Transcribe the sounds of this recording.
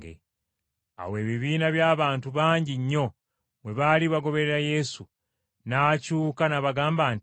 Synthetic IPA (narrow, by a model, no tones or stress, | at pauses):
ḛ | a̰we̞ːβiβiːnaβjaːβaːntuβaːɲɟiɲːo̞ | mweβaːliβaɡo̞βe̞ɾeɾaje̞su | nacuːkanaβaɡaːmbaːnt